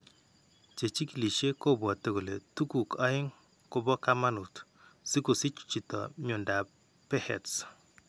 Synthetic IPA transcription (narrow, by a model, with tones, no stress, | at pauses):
t͡ʃe˨t͡ʃi˦ki˨li˨ʃe˦ko˦bwɔ˨te˨ko˨le˨tu˦ku˨kɔ˦ɪ˦ŋ | kʊ˦bɔ˦ka˦ma˦nu˨t | si˦ku˨si˦t͡ʃt͡ʃi˨tɔ̰˨ɲʊ˨nda˨ | pɛ˦hɛ̰˨ts